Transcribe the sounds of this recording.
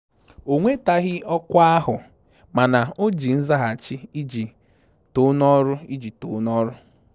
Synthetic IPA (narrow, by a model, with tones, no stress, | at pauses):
o˨ŋʷe˦ta˦ɣɪ˦ɔ˦kʷa˦ɦʊ˨ | ma˨na˨o˦d͡ʒi˨n̩˦za˦ɦa˨t͡ʃɪ˦i˦d͡ʒi˨ | to˦nɔ˦ɾʊ˦i˦d͡ʒi˨to˨˦nɔ˦ɾʊ˦